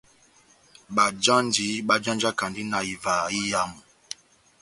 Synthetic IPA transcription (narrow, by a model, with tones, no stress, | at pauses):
ɓa˨d͡ʒã˦n˦di˨˦ɓa˦d͡ʒã˦nd͡ʒa˦ka˨ndi˦na˨i˨va˨i˦ja˦mu˨